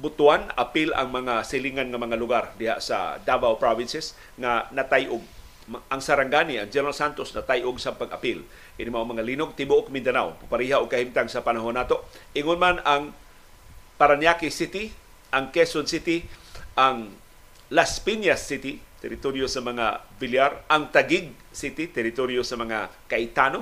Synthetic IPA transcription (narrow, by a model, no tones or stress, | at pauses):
bʊt̪uana̰pɪla̰ŋmɐŋasɪliŋanŋamɐŋalʊɡaɾd̪ɪha̰ʔsa̰d̪avawpɾavɪnsɛs | ŋanɐt̪ajʔʊɡ̚ | mʔaŋsaɾaŋɡaniaŋd͡ʒɛnɾalsant̪osnat̪ajʔʊɡsapaɡa̰pɪl | ʔɪnimaʔŋmɐŋalinoɡ̚t̪ɪmuʔokmɪnd̪anawpʊpaɾiɦaʔoɡ̚kahimt̪aŋsapanaɦonːat̪oʔɪŋonmanaŋ | paɾanjakisit̪ɪ | ʔaŋkɛsonsit̪ɪʔaŋ | laspinjasːit̪ɪt̪ɛɾɪt̪oɾjosɐmɐŋa̰vɪljaɾʔaŋt̪aɡɪɡ̚ | sit̪it̪ɛɾɪt̪oɾjosɐmɐŋa̰kaʔɪt̪ano